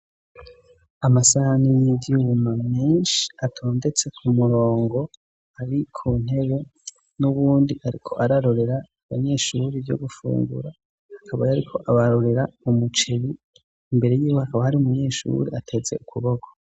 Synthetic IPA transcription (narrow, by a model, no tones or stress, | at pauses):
amasahanijiiumameːnʃi̥atʰoːnde̞t͡se̞kʰumuɾo̞ːŋɡo̞ | aɾikʰuːn̥he̞βe̞ | nuβuːndihaɾḭkʰo̞ʔaɾaɾo̞ɾe̞ɾaːβaɲe̞ːʃuɾibɟo̞̰ɡufṵːŋɡṵɾa | hakʰaβajaɾikʰo̞ʔaβaɾo̞ɾe̞ɾaumut͡ʃe̞βiː | mbe̞ɾe̞jiːwohakaβahaɾiumuɲe̞ːʃṵɾeʔatʰe̞ze̞̰ʔukuβoɡʰo̥